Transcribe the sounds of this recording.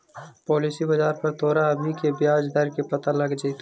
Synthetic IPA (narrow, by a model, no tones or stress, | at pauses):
pɔːlisibɐd͡ʒaːɾpɐɾt̪oːɾaəd̪mikebjaːd͡ʒd̪əɾkepɐt̪alɐɡd͡ʒiːt̪